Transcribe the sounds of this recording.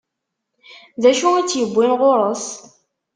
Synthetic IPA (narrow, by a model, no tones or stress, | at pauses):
ðæʃuit͡sːjəbʷːinʁʊɾˤəs